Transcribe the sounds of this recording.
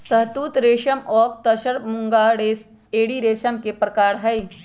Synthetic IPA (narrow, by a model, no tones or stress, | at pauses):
sɐɦt̪uːt̪ɾeːʃəmɔːkt̪ɐʃəɾmʊ̃ŋɡaːɽeːs | eːɽiɾeːʃəmkepɾɐkaːɾɦɐi